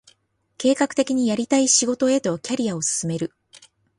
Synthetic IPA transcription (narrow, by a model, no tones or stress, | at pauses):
ke̞ːkakɯ̟̥t̪e̞kʲiɲ̟ijaɾʲit̪aiɕiɡo̞t̪o̞e̞t̪o̞kʲaɾʲiao̞sɨ̥sɨme̞ɾɯ̟